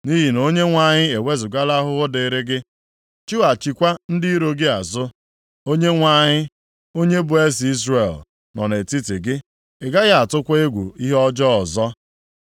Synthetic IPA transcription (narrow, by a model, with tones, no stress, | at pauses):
ni˦ɦi˨no˦ɲe˦ŋʷa˨ɲɪ˦e˨we˦zʊ˨ɡa˦la˦ɦʊ˦ɣʊ˦de˨ɾɪ˦ɡɪ˦ | t͡ʃu˦a˨t͡ʃi˨kʷa˦n̩˦dɪ˦i˦ɾo˦ɡɪ˦a˨zʊ˦ | o˦ɲe˦ŋʷa˦ɲɪ˦ | o˦ɲe˦bʊ˨e˦si˨i˦zɾe˨l | nɔ̰˨ne˨ti˦ti˨ɡɪ˦ | ɪ˨ɡa˦ɣa˦a˨tʊ˦kʷe˦ɡʷṵ˨i˦ɦɔ˦d͡ʒɔ˦ɔ˨zɔ˦